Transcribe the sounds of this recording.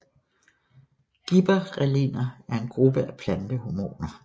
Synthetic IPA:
ɡ̥ib̥ɐʁɛlinɐæɐe̝nɡ̥ʁub̥əʔæpʰlænd̥əɦomo̝̰ːnɐ

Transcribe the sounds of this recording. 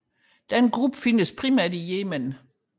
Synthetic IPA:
d̥ænɡ̥ʁub̥əfinəspʰʁimæɐ̰dijeːmən

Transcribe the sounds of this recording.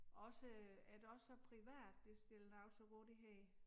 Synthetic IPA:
ʔɒ̽səæd̥ɒ̽sɒpʰʁiʋæ̰ːd̥ːe̝sd̥e̝lnɑ̈ʊsɒɡ̥o̰ːd̥iɦɛ̰ː

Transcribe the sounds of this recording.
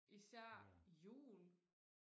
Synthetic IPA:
ʔisæɐ̰jṵːl

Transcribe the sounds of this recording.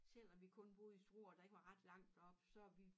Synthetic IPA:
sel̰ɒʋikʰɔ̽nb̥o̝ð̩ˠisd̥ʁo̝ːɒd̥ɑ̈e̝ɡ̥əʋɑ̈ʁɑ̈d̥lɑ̈ŋ̰d̥ɒ̽b̥sɒ̽æʋi

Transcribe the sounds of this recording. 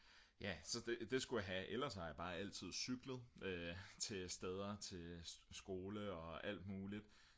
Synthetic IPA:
jæsɒ̽d̥ed̥e̝sɡ̥ujaɦæʔelɐshɑ̈jab̥ɑ̈ːæl̰t͡sʰið̞̰ˠsyɡ̥ləð̩ˠøt͡sʰe̝sd̥eð̞ˠɐt͡sʰe̝sɡ̥o̝ːləɒ̽æl̰d̥muːlid̥ˠ

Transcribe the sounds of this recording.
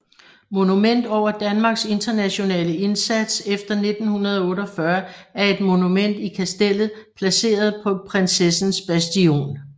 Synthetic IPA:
mo̝numen̰d̥ɒʊ̰ɐd̥ænmɑ̈ːɡ̥se̝nd̥ɐnæɕo̝nɛ̰ːləe̝nsæd̥sefd̥ɐne̝d̥n̩hunɐð̞ˠɔ̽ːɾɒfɶɐæɐe̝d̥mo̝numen̰d̥ikʰæsd̥el̰ð̩ˠ | pʰlæse̝̰ːɐð̞̩ˠpʰɒ̽pʰʁensesn̩sb̥æsd̥io̝̰ːn

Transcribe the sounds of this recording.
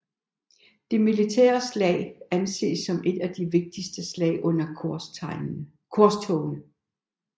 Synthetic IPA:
d̥e̝milit͡sʰɛ̰ːɐslɛ̰ːɪænse̝̰ːsːɒ̽me̝d̥æd̥iʋe̝ɡ̥̚d̥isd̥əslɛ̰ɪʔɔ̽n̰ɐɪ | kʰɒɐst͡sʰɔʊnə

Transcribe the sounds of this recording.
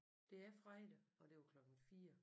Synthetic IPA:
d̥e̝æɐfʁɛɪd̥əɒ̽d̥e̝ʋäkʰlɒ̽ɡ̥n̩fiːɐ

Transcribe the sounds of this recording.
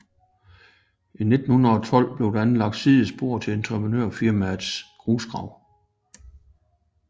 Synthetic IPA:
ine̝d̥n̩hunðɐɒ̽t͡sʰɒ̽l̰b̥le̝ʊd̥ææn̩lɑ̈ɡ̥̚d̥siðˠəsb̥o̝ɐ̰t͡sʰe̝lent͡sʰʁɛpʰʁnøɐ̰fiɐmæ̥sɡ̥ʁuːsɡ̥ʁɑ̈ʊ̰

